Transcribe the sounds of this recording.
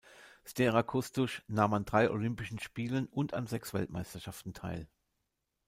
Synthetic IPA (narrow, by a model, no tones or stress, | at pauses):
stɛʁakʰʊstʊʃnaːmandʁaɪʔo̰lʏmpɪʃn̩ʃpiːlənʊntʰa̰nzɛksv̥ɛ̰ltma̰ɪstɐʃaftn̩tʰa̰ɪl